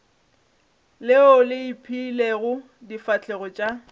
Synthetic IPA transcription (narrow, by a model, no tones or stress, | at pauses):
lɪɔlɪipʰileɣʊ | difat͡ɬʰʼɛɣɔt͡ʃʼa